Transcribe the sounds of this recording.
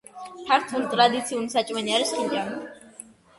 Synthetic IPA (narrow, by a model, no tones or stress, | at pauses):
pʰaɾt̪ʰunit̪ʼɾad̪it̪sʰiunisat͡ʃʼmɛniaɾisχid͡ʒa